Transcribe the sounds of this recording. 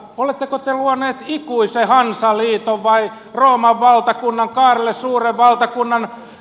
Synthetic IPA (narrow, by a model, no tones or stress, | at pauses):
olet̪ːekot̪eluɑneːt̪ikuisehɑnsɑliːt̪oʋʋɑi | roːmɑʋʋɑlt̪ɑkunːɑŋkɑːrelːessuːreʋʋɑlt̪ɑkunːɑn